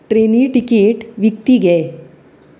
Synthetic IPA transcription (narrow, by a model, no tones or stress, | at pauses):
ʈɾeniːʈikeʈʋikt̪iːɡɛe